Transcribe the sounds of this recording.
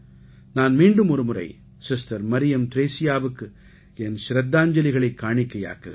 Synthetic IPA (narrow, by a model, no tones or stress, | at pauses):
naːnmiːɳɖɯmɔɾɯmɯrɐ̰ɪ | sɪstɐɾmɐɾɪjɐmt̪ɪɾeːsɪjaːʋɯkːɯ | ɛnʃɾɐd̪ːaːɲd͡ʒɐlɪɣɐɭɐɪkːaːɳɪkːɐja̰ːkːɯɣɐ